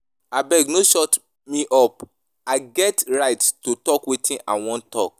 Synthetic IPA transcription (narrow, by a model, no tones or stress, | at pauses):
abɛɡnoʃɔt | mĩʔɔp | aɡɛtɹaɪttotɔkwetĩna̰ɪwɔ̃ntːɔ̰k̚